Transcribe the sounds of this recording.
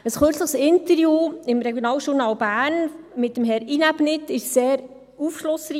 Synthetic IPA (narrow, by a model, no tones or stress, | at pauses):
əsχøɾt͡sləχsɪntəɾjuːɪmɾɛɡjonɑːlʃʊɾnɑːlbæːnmɪt̚ːəmɦɛɾinæbnɪtɪʃseːɾ | ufʃlʊsri